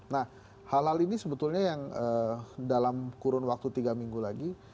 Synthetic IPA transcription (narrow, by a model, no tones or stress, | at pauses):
nah | halɦalinisəbət̪ulɲajaŋədalamkuɾʊnwak̚t̪ut̪iɡamiŋɡulaɡi